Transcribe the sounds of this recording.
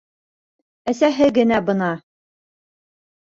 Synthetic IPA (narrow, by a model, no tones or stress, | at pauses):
æsæɦɘɡɘ̆næbɤ̆nɑ